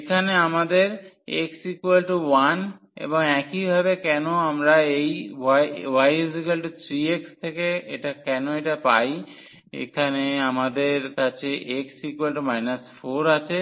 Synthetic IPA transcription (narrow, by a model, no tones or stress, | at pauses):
ekʰaneamad̪eɾ | eksikuwalʈuwan | ḛboŋɛkibʱabekɛnoamɾaejajwajizikalʈut̪ʰɾiekst̪ʰekeeʈakɛnoeʈapaj | ḛkʰaneamad̪eɾkat͡ɕʰeʔeksikuelʈumajnasfoɾat͡ɕʰe